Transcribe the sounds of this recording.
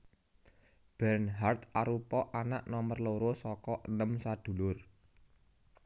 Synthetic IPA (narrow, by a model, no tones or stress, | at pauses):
b̥ɛrnɦart̪aɾupɔʔanaʔnɔmərloɾosɔkɔʔənəmsad̪̥ṳlʊr